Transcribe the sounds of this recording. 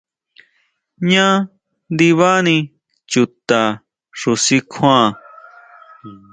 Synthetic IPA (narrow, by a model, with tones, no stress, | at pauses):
ɲã˦ | nd̪i˧βa˦nĩ˧ | t͡ʃu˨t̪a˨ | ʂu˧si˦kʰã˦˨